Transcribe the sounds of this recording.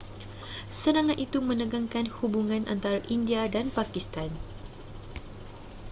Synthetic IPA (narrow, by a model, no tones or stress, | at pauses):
səɾaŋat̪it̪umə̃nəɡaŋkanhubuŋãnʔa̰nt̪aɾaʔindiadanpakist̪an